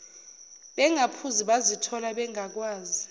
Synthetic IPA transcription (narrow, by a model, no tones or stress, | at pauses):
ɓɛŋapʰuziɓazitʰɔlaɓɛŋak̬waːzi